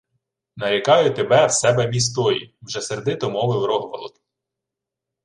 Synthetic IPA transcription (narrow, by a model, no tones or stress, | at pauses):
nɐjɐkɑjʊt̪ebɛwsɛbɛmʲis̬t̪ɔjḭwʒɛseɾd̪ɪt̪ɔmɔʋɪwɾɔɦʋɐlˠɔk̪